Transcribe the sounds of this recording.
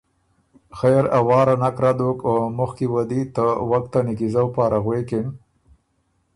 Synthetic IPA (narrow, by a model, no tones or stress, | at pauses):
xejɾawɑːɾanakɾad̪okomʊxkiwad̪it̪əwak̚t̪anɪkizawpɑːɾaɣwekɪn